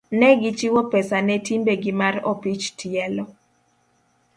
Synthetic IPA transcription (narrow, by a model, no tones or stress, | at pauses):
nɛɡit͡ʃiwɔpɛsanɛtimbeɡɪmarɔpit͡ʃtʰiɛlɔ